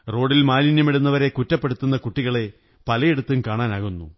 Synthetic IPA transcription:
ro̞ːɽilmaːlinjɐmeɽunːɐʋɐɾe̞kutːɐpːe̞ɽut̪ːunːɐkuʈːiɣɐɭe̞ | pɐlɐjeɽut̪ːumkaːɳaːnaːɣunːṵ

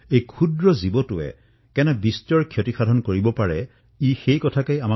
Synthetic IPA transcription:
ejkʰudɹɔzibɔtʊɛ̰ | kɛnɛbistɔɹkʰjotixadʱɔnkoɹibɔpaɹɛ | ixejkɔtʰakejama

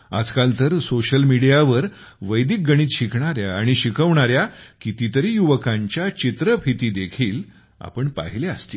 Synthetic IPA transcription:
a̰d͡zkalt̪əɾsoɕəlmiɽijaʋəɾ | ʋəjd̪ik̚ɡəɽ̃iːt̪ɕikɳaɾjaːɽ̃iɕikəʋɳaɾjakit̪it̪əɾiːjuʋəkãɲt͡ɕjat͡ɕit̪ɾəpʰit̪iːd̪ekʰiːl | a̰pəɳpa̰ɦileəst̪i

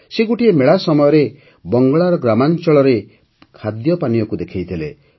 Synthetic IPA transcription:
seɡuʈiemeɭasɔmɔjɔɾe | bɔŋɡɔɭaɾɔɡɾamant͡ʃɔɭɔɾe | kʰad̪jɔpanijɔkud̪ekʰejt̪ʰilḛ

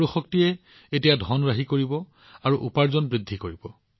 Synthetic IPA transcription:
uxɔktijɛ | etijadʱɔnɹaɦikoɹibɔ | aɹuʔupaɹzɔnbɹidʱːikoɹibɔ

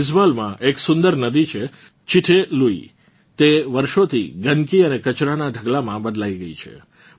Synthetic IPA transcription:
ɪzbalmãʔeksʊ̃nd̪əɾnəd̪it͡ʃʰe | t͡ʃiʈʰeluḭ | t̪eʋəɾʃot̪ʰḭɡənkiənekət͡ʃɾanaɖʱəɡlamãbəd̪laiɡəit͡ʃʰḛ

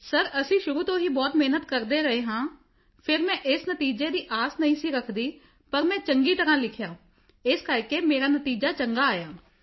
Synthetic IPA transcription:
səɾəsĩːʃʊɾuːt̪õːɦiːbɔːt̪meɦnət̪kəɾd̪eːɾəeːɦãː | pʰɪɾmɛ̃ːʔɪsnət̪iːd͡ʒeːd̪iːʔaːsnəɦĩːsiːɾəkʰd̪iː | pəɾmɛ̃ːt͡ʃəŋɡiːt̪əɾãːlɪkʰjaː | ɪskəɾkeːmeːɾaːnət̪iːd͡ʒaːt͡ʃəŋɡaːaːjaː

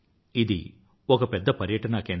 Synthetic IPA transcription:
id̪ḭ | ɔkɐpɛd̪ːɐpɐɾjɐʈɐnɐken

